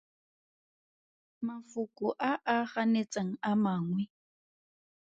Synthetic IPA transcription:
mafʊkʼʊʔaʔaχanet͡sʼaŋ̩amaːŋwɛ

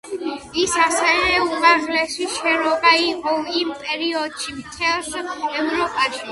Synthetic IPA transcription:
isasɛvɛumʼaʁlɛsiʃɛɾɔbaiqʼɔimpʼɛɾiɔd̪ʃimt̪ʰɛlˠsɛvɾɔpʼaʃi

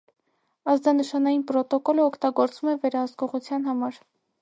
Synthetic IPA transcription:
ɑzd̪ɑnəʃɑnɑjinpɾɔt̪ɔkɔləɔkʰt̪ɑɡɔɾt͡svumɛvɛɾɑhəskɔʁut͡sʰjɑnɦɑmɑɾ

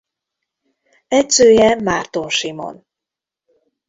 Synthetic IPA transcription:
ɛcsøːjɛmaːrt̪onʃimo̰n

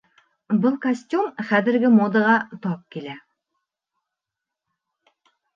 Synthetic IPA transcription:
bɤlˠkɐsʲtʲumχæðɘ̆ɾɡɘmod̪ɤ̆ʁɑt̪ɒp̚kilæ

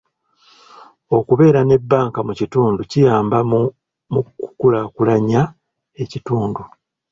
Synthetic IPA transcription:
o̞kuβe̞ːɾane̞bːaːŋkamucituːnducijaːmba | muku̥kulakulaɲa | e̞cituːndu

